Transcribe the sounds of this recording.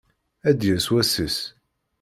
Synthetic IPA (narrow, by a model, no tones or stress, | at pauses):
æd̪jæswæsəs